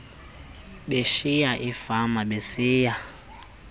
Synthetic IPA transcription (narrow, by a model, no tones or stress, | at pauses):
ɓeʃijaʔifamaɓesiːja